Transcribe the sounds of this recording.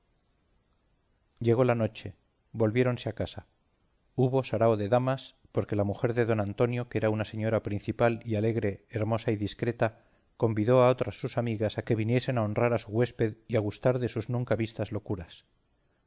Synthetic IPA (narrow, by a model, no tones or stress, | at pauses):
ɟ͡ʝe̞ɣ̞o̞lano̞t͡ʃe̞ | bo̞lβje̞ɾo̞nseakasa | uβ̞o̞saɾaoðe̞ðamas | po̞ɾke̞lamuxe̞ɾðe̞ðo̞nãnt̪o̞njo̞ke̞ɾaunase̞ɲo̞ɾapɾin̟θipaliale̞ɣɾe̞ːɾmo̞saiðiskɾe̞t̪a | ko̞mbiðo̞ao̞t̪ɾasːusamiɣasake̞β̞inje̞se̞nao̞nraɾasuɣwe̞spe̞ðiaɣ̞ust̪aɾðe̞suznũŋkaβist̪azlo̞kuɾas